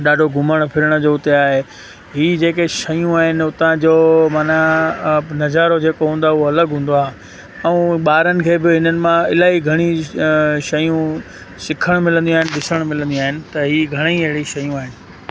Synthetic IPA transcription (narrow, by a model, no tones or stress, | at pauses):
ɗaːɖʱoɡʱʊməɽ̃pʰɪɾəɽ̃ə̆d͡ʑoːʊt̪eaːɦe | ɦiːd͡ʑeːkeʃɐjũaːɦɪnɪ̆ʊt̪ãd͡ʑoːmaːna | nɐzaːɾod͡ʑeːkoɦũːnd̪aɦuɦoɐləɡɦũːnd̪oaːɦ | ɛ̃ːɓaːɾənɪ̆kʰeːbɪɦɪnənɪ̆mãɪlaːiɡʱɐɽ̃i | ʃɐjũ | sɪkʰəɽ̃mɪlə̃nd̪ĩuaːɦɪ̃nɪ̆ɗɪsəɽ̃mɪlə̃nd̪ĩũaːɦɪnɪ̆t̪ɐɦiːɡʱɐɽ̃ĩɐɦɪɽiʃɐjũaːɦɪnɪ̆